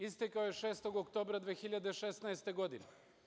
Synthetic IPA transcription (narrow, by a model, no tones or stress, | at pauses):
ist̪ekaojeʃeːst̪o̞ɡokt̪o̞ːbɾad̪ʋeːxiʎad̪eʃesnaest̪e̞ɡo̞d̪ine